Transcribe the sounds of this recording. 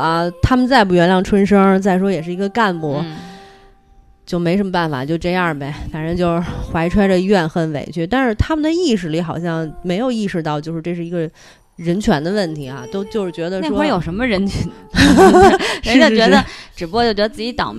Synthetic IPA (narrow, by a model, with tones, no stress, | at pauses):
ɐ˧t̪ʰa˥mə˨nt͡sa˥˧ɪp̬u˥˩ɥɛ˧˥nljɑ˥˩ŋʈ͡ʂʰwə˥nʂɤ˥ŋt͡sa˥˩ɪʂwɔ˥jɛ˨˩ʂɻ̩˥˩i˧˥ɡə˧ka˥˩npwɔ˧˥ | t͡ɕjo˥˩ʊme˧˥ɪʂ̬ə˧˥mə˧˥pa˥˩nfa̰˨˩t͡ɕjo˥˧ʊ˧ʈ͡ʂɤ˥˧jɑ˥˩be˨˩ɪfa˨˩nɻə˧˥nt͡ɕjo˥˧ʊʂxwa˧˥ɪʈ͡ʂʰwa˥ɪɾə˨˧˥ɥɛ˥˩nxə˧˥nwḛ˨˩ɪt͡ɕʰy˥˩t̪a˥˧nʂɻ̩˥˧t̪ʰa˥mə˨nd̪ə˩i˥˩ʂ̬ɻ̩˥˩li˧˥xɑ˨˩ʊɕ̬jɑ˥˩ŋme˧˥ɪjo˨˩ʊi˥˧ʂɻ̩˥˧t̪ɑ˥˧ʊt͡ɕjo˥˧ʊʂɻ̩˧ʈ͡ʂɤ˥˧ʂɻ̩˥˩i˧˥ɡə˧ | ɻə˧˥nt͡ɕʰɥɛ˧˥nd̪ə˧wə˥˩nt̪ʰi˧˥ɐ̰˧t̪o˥ʊt͡ɕjo˥˧ʊʂɻ̩˥˩t͡ɕɥɛ˧˥d̪ə˧n˥˩˥wɔ˥ə˧˥jo˨˩ʊʂə˧˥mə˧ɻə˧˥nt͡ɕʰy˧˥n | ʂə˥˧˥ə˩˧t͡ɕɥɛ˧˥d̪ə˧ʈ͡ʂɻ̩˨˩u˧˥kɔ˥˧t͡ɕjt͡ɕɥɛ˧˥ə˧t͡s̩˥˩t͡ɕi˧˥t̪ɑ̰˨˩ʊ